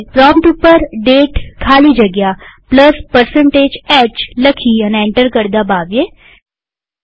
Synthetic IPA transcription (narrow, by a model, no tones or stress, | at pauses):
pɾɔ̃ːmʈupəɾɖeːʈkʰaːlid͡ʒɐɡjaːpləspəɾsə̃ɳʈeːd͡ʒɛːt͡ʃləkʰiənɛ̃ːɳʈəɾkəɾd̪abaːʋe